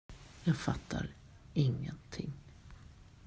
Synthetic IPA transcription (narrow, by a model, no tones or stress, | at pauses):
jɑːɡfat̪ʰːaɾ | ɪŋːənt̪ʰɪŋː